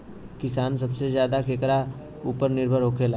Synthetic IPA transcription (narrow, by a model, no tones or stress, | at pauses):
kɪsaːns̬ɐbsezjaːd̪akeːkɾa | uːpəɾnɪɾbʱəɾɦoːkʰela